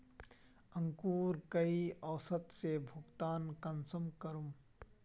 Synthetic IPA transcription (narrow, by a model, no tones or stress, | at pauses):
ə̃ŋkuːɾkəiɔːsət̪sebʱʊɡt̪aːnkɐnsəmkəɾum